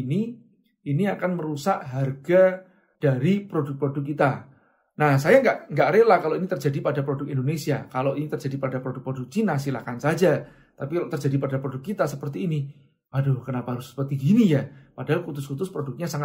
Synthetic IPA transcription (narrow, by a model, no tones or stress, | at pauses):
ni | iniakanməɾusaʔɦarɡ̥a | d̥aɾipɾodʊk̚pɾodʊk̚ːit̪a | nahsajaŋɡaʔŋɡaʔɾelahkaloinit̪ərd͡ʒadipadapɾodʊkindonesiakaloʔinit̪ərd͡ʒadipadapɾodʊk̚pɾodʊk̚t͡ʃinasila̰kansad͡ʒa | t̪apikalot̪ərd͡ʒadipadapɾodʊkːit̪asəpərt̪iːni | wadohkənapaɾʊsə̥pərt̪iɡinijapadaɦalkut̪ʊskut̪ʊspɾodʊk̚ɲasaŋa